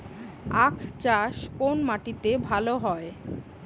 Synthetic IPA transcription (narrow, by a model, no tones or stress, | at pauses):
akʰt͡ɕaʃkonmaʈit̪ebʱaloɦɔe